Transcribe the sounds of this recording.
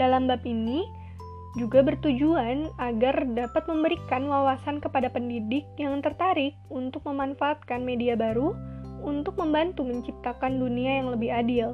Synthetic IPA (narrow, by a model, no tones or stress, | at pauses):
dalambapini | d͡ʒuɡabərt̪ud͡ʒuanaɡardapat̪̚məmbəɾikanwawasankəpadapəndidɪk̚jaŋt̪ərt̪aɾɪk̚unt̪ʊk̚məmanfaːt̪̚kanmediabaɾuunt̪ʊk̚məmbant̪uməɲt͡ʃip̚t̪akanduniajaŋləbɪɦadɪl